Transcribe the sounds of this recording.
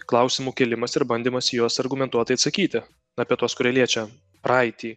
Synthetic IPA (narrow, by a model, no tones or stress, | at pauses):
klˠɐʊsʲɪmuːkʲɛlʲɪmɐsɪɾbɐnʲd̪ʲɪːmɐsʲjuɔsɐɾɡʊmʲɛnt̪uɔt̪ɐɪɐt̪sɐkʲiːt̪ʲɪ | ɐpʲiɛt̪uɔskʊɾʲɛlʲiɛt͡ʃʲɛ | pɾɑɪt̪ʲiː